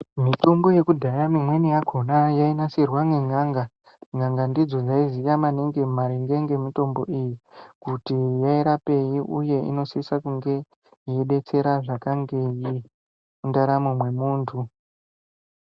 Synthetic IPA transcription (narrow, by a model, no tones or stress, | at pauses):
mito̞mbo̞je̞kudʱajamimwe̞nijaɡʱo̞najainasirwaŋeŋaːŋɡa | ŋaŋɡandid͡zo̞d͡zaizijamane̞ŋɡe̞maɾeŋɡeŋɡe̞mito̞mbo̞̰ʔijikutijaiɾape̞jiuje̞ḭno̞siisakuŋɡe̞ | jeɗe̞t͡se̞ɾaʐakaŋɡe̞ji | mundaɾamomwe̞muːntʰu